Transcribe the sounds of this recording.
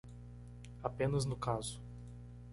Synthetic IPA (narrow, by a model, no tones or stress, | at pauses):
apẽnɐznʊkazʊ̥